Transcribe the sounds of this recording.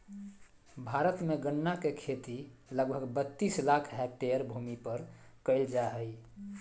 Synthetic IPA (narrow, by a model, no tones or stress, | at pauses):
bʱaɾət̪meɡənːakekʰet̪iləɡbʱəɡbət̪ːislakʰɦɛk̚ʈeəɾbʱumipəɾkəɪld͡ʒaɦəj